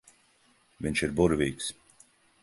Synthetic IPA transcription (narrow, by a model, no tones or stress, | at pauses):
viɲʃiɾbuɾvʲiːks